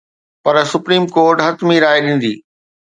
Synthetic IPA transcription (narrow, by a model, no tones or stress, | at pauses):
pɐɾsʊpɾiːmkoːɾʈɦɐt̪miɾaːeɗĩːn̆d̪iː